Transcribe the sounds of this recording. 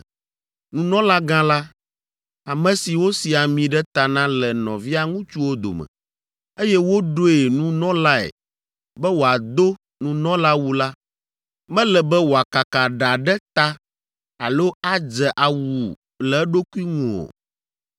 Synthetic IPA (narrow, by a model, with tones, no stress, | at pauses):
nũ˨nɔ̃˦la˦ɡã˦la˦ | a˨mɛ̃˨si˨wo˦si˨a˨mĩ˨ɖɛ˦t̪a˨nã˦lɛ˨nɔ̃˨vi˦a˦ŋũ˦t͡ʃu˦wo˦d̪o̰˨mɛ̰̃˨ | e˦jɛ˦wo˦ɖo˦e˨nũ˦nɔ̃˦la˦ɛ̰˨ | bɛ˦wo˨a˨d̪o˦ | nũ˨nɔ̃˦la˦wu˦la˦ | mɛ̃˦lɛ˨bɛ˦wo˨a˨ka˨ka˨ɖa˨ɖɛ˦t̪a˦ | a˨lo˦a˦d͡ʒɛ˨ʔa˨wu˨ | lɛ˨˦ɖo˦ku˦i˦ŋũ˨o̰˨